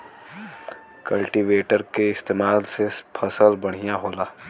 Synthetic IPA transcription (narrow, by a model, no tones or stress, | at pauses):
kəlʈiʋeːʈəɾkeɪst̪eːmaːlsepʰəsəlbɐɽ̤ijaɦoːlaː